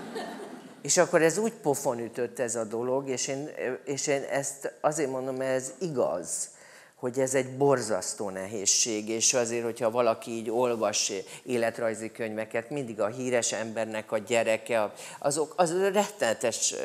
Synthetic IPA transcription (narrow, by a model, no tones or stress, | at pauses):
eːʃɒkːo̞ɾɛzuːcpo̞fo̞nyt̪øt̪ːɛzɒd̪o̞lo̞ɡeːʃeːneːʃeːnɛst̪ɒzeːɾmo̞nd̪o̞mɛziɡɒ̰z̥ | ho̞ɟɛzɛɟbo̞rzɒ̰st̪oːnɛɦeːʃːeːɡeːʃɒzeːrho̞chɒvɒlɒkiiːɟo̞lvɒʃeːlɛt̪rɒjzikø̞ɲvɛkɛt̪mind̪iɡɒɦiːɾɛʃɛmbɛrnɛkɒɟɛɾɛkɛɒzo̞kɒzrɛt̪ːɛnɛt̪ɛʃ